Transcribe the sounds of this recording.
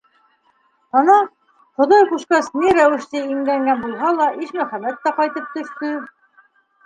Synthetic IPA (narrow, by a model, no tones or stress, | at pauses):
ɑnɑ | qŏðɑjquʃkɑsniɾæwɘ̆ʃt̪ɘiŋlæŋɡænbulˠɦɑlˠɑʔiʃmæχæmæt̪ːæqɑjt̪ɤp̚t̪ɵ̆ʃt̪ɵ